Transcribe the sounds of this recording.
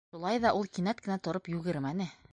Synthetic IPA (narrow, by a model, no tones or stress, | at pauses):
ʃulˠɑjðɑʔulˠkinæt̪̚kɘ̆næt̪ŏɾopjʉɡɘ̆ɾmænɘ